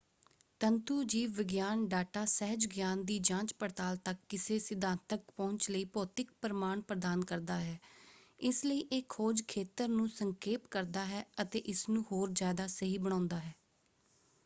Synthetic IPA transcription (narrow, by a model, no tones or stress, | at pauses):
t̪ənt̪uːd͡ʒiːʋʋɪɡjaːnɖaːʈaːsɛɦəd͡ʒɡjaːnd̪iːd͡ʒãːt͡ʃpəɾt̪aːlt̪əkːɪseːsɪd̪ãːnt̪əkpɔ̃ːɲt͡ʃləiːpɔːt̪ɪkpəɾəmaːɳpɾəd̪aːnkəɾd̪aːɦɛːɪsləiːʔeːkʰːoːd͡ʒkʰeːt̪əɾnũːsəŋkeːpkəɾd̪aːɦɛːət̪ḛːʔɪsnũːɦoːɾd͡ʒjaːd̪aːsəɦiːbəɽ̃ãːnd̪aːɦɛː